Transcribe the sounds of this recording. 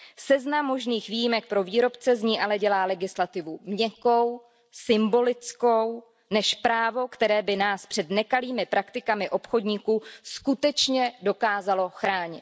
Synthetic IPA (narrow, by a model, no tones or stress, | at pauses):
sɛznamːo̞ʒniːxviːjɪmɛk̚pɾo̞viːɾo̞pt͡sɛzɲiːʔalɛɟɛlaːlɛɡɪslat̪ɪvumɲɛko̞w | sɪmbo̞lɪt͡sko̞w | nɛʃpɾaːvo̞kt̪ɛɾɛːbɪnaːspr̥ɛdnɛkaliːmɪpɾʔakt̪ɪkamɪʔo̞pxo̞dɲiːkuːskut̪ɛt͡ʃɲɛdo̞kaːzalo̞xɾaːɲɪ̰t̪